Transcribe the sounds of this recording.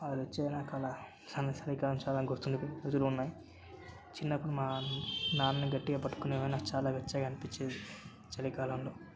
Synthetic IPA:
ɐdʋɐt͡ʃːeːɐjnaːkalaː | aːnɐt͡ʃɐlikaːlɐmt͡ʃaːlaːɡuɾt̪und̪uɾot̪uluunːaːji | t͡ʃinːɐpːuɽumaːnaːnniɡɐʈːiɡaːpɐʈːu̥koneːʋɐjnaːt͡ʃaːlaːʋɐt͡ʃːaːɡɐnipit͡ʃːeːd̪i | t͡ʃɐlikaːlɐmlo̞ː

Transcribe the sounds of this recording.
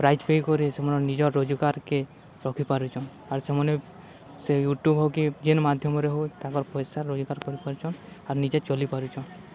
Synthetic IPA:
pɾajd͡ʒpejkɔɾisemɔnɔnid͡ʒɔɾːod͡ʒukaɾke | ɾɔkʰipaɾit͡ʃʰɔn | aɾsemɔne | sejuʈjubʱɦɔkid͡ʒenmad̪ʱjɔmɔɾeɦot̪akɔɾpɔjsaɾːod͡ʒukaɾkɔɾipaɾit͡ʃʰɔnaɾnid͡ʒet͡ʃɔlipaɾut͡ʃʰɔn

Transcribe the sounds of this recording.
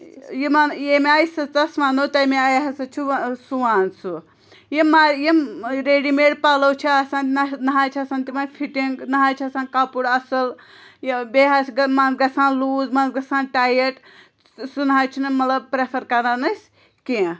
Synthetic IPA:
jimanjemeaːjsɐt͡sɐsmaːnot̪ɐjmeajɦɐsɐt͡ʃʰusuaːnsu | jimaɾjiɾeːɖimeːɽpalɐwt͡ʃʰiaːsãːnt̪nɐnɐɦaːt͡ʃʰiɐsaːnt̪imaːnfʰiʈiŋɡnɐɦaːt͡ʃʰiɐsãːnkapuɽɐsɐl | jbeɦasɡɐmɐnzɡɐsãːnluːzmɐnzɡɐsãːnʈaːjɐʈ | sunɦaːjt͡ʃʰinɨmɐt̪lɐb̚pɾepʰɐɾkɐɾanɐsʲ | kẽ

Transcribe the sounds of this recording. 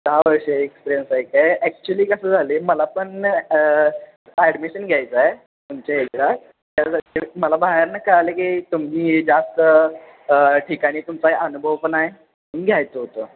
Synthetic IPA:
d̪aaʋəɾʂeekspiɾiənsajkajɛk̚t͡ɕuəliːkəsəːd͡zʱaleməlapəɳ | ɛɽmiɕənɡʱjajt͡sae | t̪umt͡ɕaɦekɾa | t̪jad͡zat̪eməlabaɦeɾnakəɾalekit̪umɦiːd͡zast̪ə | ʈʰikaɽ̃iːt̪umt͡saɦeʔənubʱəʋpənaɦe | unɡʱjajt͡səɦot̪o

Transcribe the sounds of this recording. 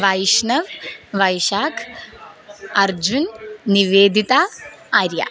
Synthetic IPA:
ʋɐjʃnɐʋʋɐjʃaːkʰ | ɐɾd͡ʒunːiʋeːd̪it̪aː | ɾja̰

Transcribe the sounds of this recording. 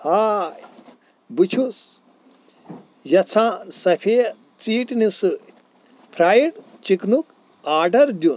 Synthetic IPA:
haːj | but͡ʃʰus | jɐt͡sʰãsɐpʰeː | t͡siːʈnisɨ | pʰɾaːjiʈt͡ʃiknuk | aːɖɐɾd̪ʲjun

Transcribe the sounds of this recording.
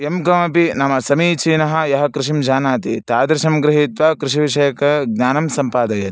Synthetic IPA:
emɡɐmɐpinɐmɐsɐmiːt͡ʃiːnɐɦɐ̆jɐɦɐkɾɪʃimd͡ʒaːnaːt̪it̪aːd̪ɾɪʃɐmɡɾɪɦit̪ʋakɾɪʃiʋiʂɐjɐkɐɡ̚ɲaːnɐmsɐmpaːd̪ɐjɐt̪

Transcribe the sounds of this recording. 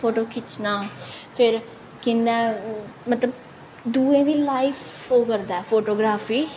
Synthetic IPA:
pʰoːʈoːkɪt͡ʃnaːpʰɪɾ | kɪnːɛ̃ːmət̪ləb | d̪uːẽːniːlaːifʰɦoːkəɾd̪aːɛpʰoːʈoːɡɾaːfʰiː

